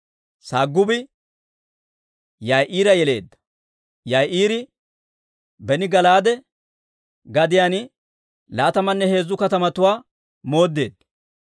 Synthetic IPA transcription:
saːɡːʊbɪ | jɐjʔiːɾɐjɛle̞ːd̪ːɐ̥ | jɐjʔiːɾɪ | bɛnɪɡɐlaːd̪ɛ | ɡɐd̪ɪjaːn | laːt̪ɐmɐnːɛhe̞ːzːʊkɐt̪ɐmɐt̪ʊwaː | mo̞ːd̪ːe̞ːd̪ːɐ

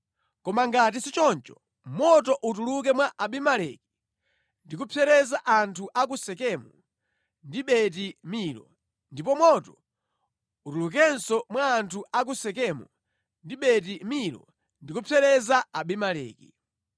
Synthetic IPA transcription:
kɔmaŋɡat̬isit͡ʃɔnt͡ʃɔ | mɔtɔʔut̬uluk̬ɛmwaʔaɓimalɛki̥ | ndikupʰɛɾɛzaʔantʰuʔak̬usɛkɛmu | ndiɓɛt̬imilɔ̰ | ndipɔmwɔtɔ | utuluk̬ɛnsɔmwaːntʰuʔak̬usɛkɛmu | ndiɓɛt̬imilɔ̰ | ndikupʰɛɾɛzaaɓimalɛ̰ːkḭ

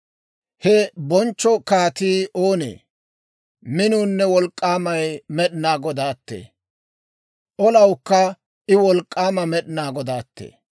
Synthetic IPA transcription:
hɛbɔnt͡ʃːɔkaːt̪iːʔoːnḛː | mɪnuːnːɛwɔlkʼːaːmɐjmɛɗɪnaːɡɔd̪aːt̪ːḛː | ʔɔlɐwkːɐ | ɪwɔlkʼːaːmɐmɛɗɪnaːɡɔd̪aːt̪ːḛː

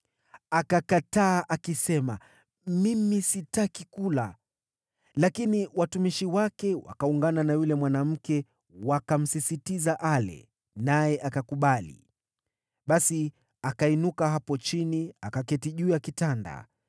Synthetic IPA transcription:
akakataːʔakisɛma̰ | mimisitakikula | lakiniwatumiʃiwakɛwa̰kauŋɡananajulɛmwanam̩kɛ | wakam̩sisitizaʔalɛ̰ | najɛʔakakuɓalḭ | ɓasi | akainukaɦapɔt͡ʃiniakakɛtiʄujakitanda̰

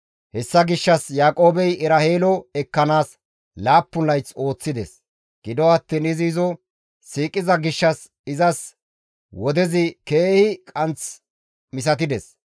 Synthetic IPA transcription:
hɛsːɐɡɪʃːɐsjaːkʼo̞ːbɛjɪɾɐheːlɔɛkːɐnaːs | laːpːʊnɐjt͡so̞ːt͡sːɪd̪ɛs | ɡ̥ɪd̪ɔɐt̪ːiːnɪziːzɔ | siːkʼːɪzɐɡɪʃːɐs | ɪzɐs | wɔd̪ɛzɪkeːhɪkʼɐnt͡s | mɪs̬ɐt̪ɪd̪ɛs

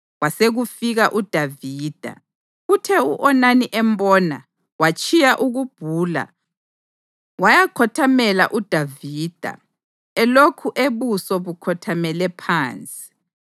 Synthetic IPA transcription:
waseɣufiɣaʔud̥ʱaviːd̥ʱa̰ | utʰɛuʔɔnaniʔɛmbɔːna̰ | wat͡ʃʰʼijaʔuɣub̥ʱuːla̰ | wajakʰɔtʰamɛla̰ʔud̥ʱaviːd̥ʱa̰ | ɛlokʰuʔeβusɔβukʰɔtʰamɛlɛpʰaːnt͡sʼi̥

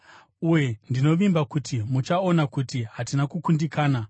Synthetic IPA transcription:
uje̞ndino̞ʋimbakutimut͡ʃao̞nakutiɦatinakukundikaːna

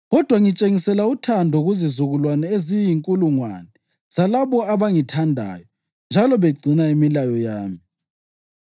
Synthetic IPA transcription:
ɣɔd̥ʱwaŋit͡ʃʼeŋisɛlautʰandʱɔɣuzizuɣulwanɛezijiŋkʼuluŋwanɛ | z̥alaβɔaβaŋitʰandʱa̰ːjɔ | nd͡ʒʱalɔβeɡ͡ǀʱinaimilajɔjaːmi

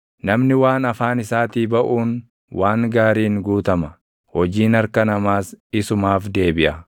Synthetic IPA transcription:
nɐmnɪwaːnɐfaːnɪsaːt̪iːbɐʔuːn | wʔaːŋɡaːɾiːŋɡuːt̪ɐmɐ | hɔd͡ʒiːnɐɾkɐnɐmaːsɪsʊmaːfd̪e̞ːbɪʔɐ

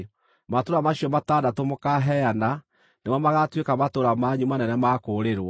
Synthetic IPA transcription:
matoɾamaɕiɔmatadatomokaɦɛjana | nemɔmaɣatwekamatoɾamaɲumanɛnɛmakoɾeɾwa

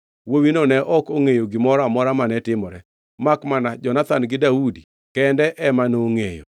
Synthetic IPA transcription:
wowinonɛʔɔkoŋejoɡɪmɔɾamɔɾamanɛtɪmɔɾɛ | makmanad͡ʒɔnat̪anɡɪdaudi | kɛndɛʔɛmanoːŋejo̰

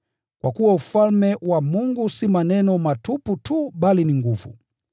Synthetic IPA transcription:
kwa̰kuwaufalmɛwamuŋɡusimanɛnɔmatuputʰuɓaliniŋɡuvṵ

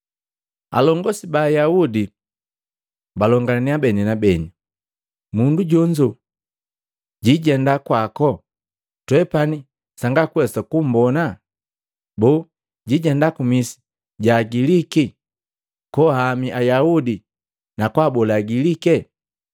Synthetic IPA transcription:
a̰lɔŋɡɔsibaːjaudi | balɔŋɡaniabɛninabɛni | munduɟɔɲd͡ʒɔ | ɟiɟɛndakwakɔ | twɛpani | saŋɡakwɛsakum̩bɔna | bɔ | ɟiɟɛndakumisi̥ | ɟaɡiliki | kɔhamiʔajaudi | nakwabɔlaːɡilikɛ

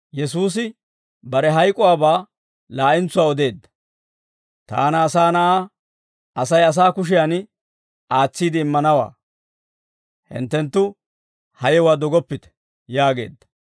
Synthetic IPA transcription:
jɛsuːs̬ɪ | bɐɾɛɦɐjkʼɔwaːbaː | laːʔɪnt͡sʊwaːɔd̪e̞ːd̪ːɐ̥ | t̪a̰ːnɐːsaːnɐʔaː | ʔɐsɐjɐs̬aːkʊʃ̬ɪjan | ʔaːt͡sːiːd̪ɪːmːɐnɐwa̰ː | hɪ̰nt̪ːɛnt̪ːʊ | hɐjɛwaːd̪ɔɡɔpːɪt̪ɛ̥ | jaːɡe̞̰ːd̪ːɐ̥

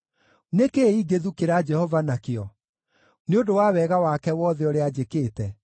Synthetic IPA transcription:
nekeiɡeðukeɾad͡ʒɛhɔvanakeɔ | neodowaːwɛɣawakɛwɔðɛɔɾead͡ʑekeːtɛ

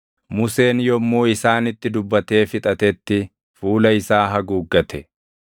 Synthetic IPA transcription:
mʊse̞ːnjɔmːoːɪsaːnɪt̪ːɪd̪ʊbːɐt̪e̞ːfɪt̪ʼɐt̪ɛt̪ːɪ | fuːlɐɪsaːɦɐɡuːɡːɐt̪ʰɛ̥

